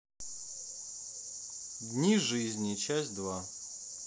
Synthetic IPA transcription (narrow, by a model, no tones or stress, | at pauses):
d̪ʲnʲiʐɨzʲnʲit͡ɕasʲtʲd̪va